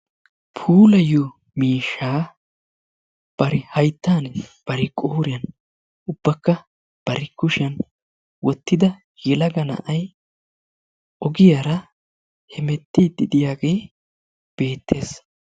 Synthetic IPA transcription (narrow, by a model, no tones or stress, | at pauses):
pʰuːlɐjɔ | miːʃːaː | b̥ɐɾɪhɐjt̪ːaːnb̥ɐɾɪkʼoːʊɾɪjɐn | ʔʊb̥ːɐkːɐ | b̥ɐɾɪkʊʃɐn | wɔt̪ːɪd̪ɐ | jɛlɐɡɐnɐ̰ʔɐj | ʔɔɡɪjaɾɐ | hɛmɛt̪ːid̪ɪd̪ɪjaːɡe̞ː | b̥e̞ːt̪ʰːe̞ːs